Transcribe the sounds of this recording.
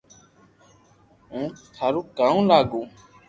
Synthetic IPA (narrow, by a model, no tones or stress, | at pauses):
ɦũːt̪ʰaɾuːkaːũːlaːɡũː